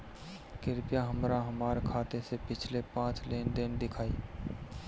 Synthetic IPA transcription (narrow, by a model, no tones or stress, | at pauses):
kɪɾpjaɦəmɾaɦəmaːɾkʰaːt̪esepɪt͡ʃʰlepãːt͡ʃleːnd̪ɪnd̪ɪkʰaːiː